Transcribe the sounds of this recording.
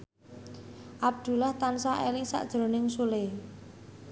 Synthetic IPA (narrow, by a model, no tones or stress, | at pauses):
ʔab̚d̪̥ṳlaht̪ansaʔelɪŋsa̰ʔd̥ʒ̥ɾo̤nɪŋsule